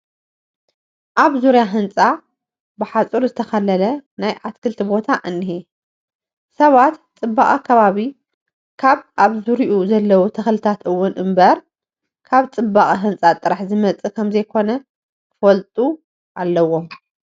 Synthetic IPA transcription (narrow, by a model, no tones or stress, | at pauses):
ʔaβzuɾjaɦɨnt͡sʼa | bɨħat͡sʼuɾzɨt̪ʰɐxɐlɐlɐnajʔat̪kʰɨlt̪ʰibo̞t̪ʰaʔɨnːiɦi | sɐβat̪t͡sʼɨbːaχʼikʰɐβaβi | kʰaβaβzuɾiʔuzɐlːɐwut̪ʰɐxlɨt̪ʰat̪ʔɨwːʊnɨmbɐɾ | kʰaβt͡sʼɨbːaχʼiɦɨnt͡sʼat̪ʼɨɾaħzɨmɐt͡sʼɨkʰɐmzɐjkʰo̞nɐ | fɐlt̪ʼu | ʔalːɐwːo